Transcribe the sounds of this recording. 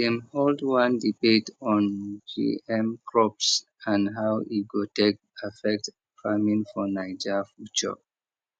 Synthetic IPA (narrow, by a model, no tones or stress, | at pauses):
ɛ̃mholdwãndibetɔ̃nd͡ʒḭɛ̃mkʰɹɔps | ãnɦawʔiɡotek̚ | afɛk̚t | famĩŋfɔnaɪd͡ʒɛfut͡ʃə̰